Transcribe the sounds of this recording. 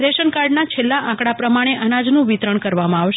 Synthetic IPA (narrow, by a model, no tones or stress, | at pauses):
ɾeʃənkaɾɖnat͡ʃʰelːaʔãkɽapɾəmaɽ̃eʔənad͡ʒnũʋit̪ɾəɳkəɾʋamãaʋʃ